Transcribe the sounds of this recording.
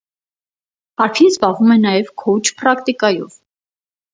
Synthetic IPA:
pɑɾkʰinzbɑvumɛnɑjɛvkʰut͡ʃʰpɾɑkt̪ikɑjɔ̰v

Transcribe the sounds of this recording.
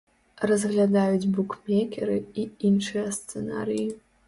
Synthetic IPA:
razɣlʲad̪ajut͡sʲbukʰmʲekʲʰḛɾɨiinʂɨjɐst͡sena̰ɾiji

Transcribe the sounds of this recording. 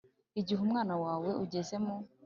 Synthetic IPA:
iɟiɦumŋaːnawaːwe̞ʔuɟe̞ze̞mu

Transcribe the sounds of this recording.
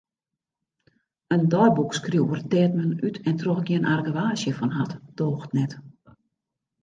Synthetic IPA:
əndɔjbukskruwərtɛːtmənytʰɛntroxɡjiənʔarɡəʋaːsjəfɔnɦatd̥oːxtnɛt

